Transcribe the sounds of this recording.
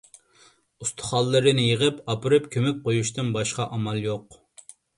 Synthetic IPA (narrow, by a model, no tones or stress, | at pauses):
ust̪ʰʊ̥χɑlˠːɨɾɨnɪjeʁɨpɑpɨɾɨpkʲʰømɛk̚ʲqʰojuʃt̪ɨnbɑʃqɑʔɑmɑlˠjoq